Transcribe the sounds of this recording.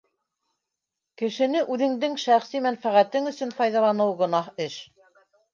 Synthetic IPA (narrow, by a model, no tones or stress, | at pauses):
kɘ̆ʃɘ̆nɘʔʉðɘ̆ŋd̪ɘŋʃæχsimænfæʁæt̪ɘŋɵ̆sɵ̆nfɑjðɑlˠɑnɤwɡɤ̆nɑhɘʃ